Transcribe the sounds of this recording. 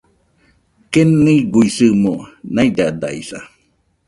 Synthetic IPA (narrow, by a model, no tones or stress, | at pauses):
kenːiɡuisɨmonajd̪ad̪a̰ḭsa